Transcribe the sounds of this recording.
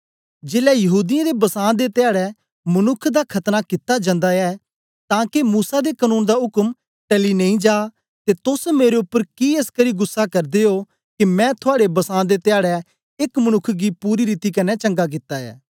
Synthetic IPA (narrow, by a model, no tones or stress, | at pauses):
d͡ʒeːlɛjɐɦuːd̪ɪjãd̪ebɐsãːd̪et̪ɪjaːɽɛ | mɐnʊkʰːd̪akʰɐt̪nakɪt̪ːad͡ʒãːnd̪aɛː | t̪ãːkemuːsad̪ekənũːnd̪aʊkm | ʈɛːlinɐ̃ĩd͡ʒaː | t̪et̪ʊsmeːɾeʊpːəɾkieːskəɾiɡʊsːakɐɾd̪eɦoː | kimɛ̃t̪ʰʊaːɽebɐsãːd̪et̪ɪjaːɽɛ | ɪkmənʊkʰɡipuːɾiɾiːt̪ikɐnɛt͡ʃə̃ŋɡak̬ɪt̪ːaɛ̰ː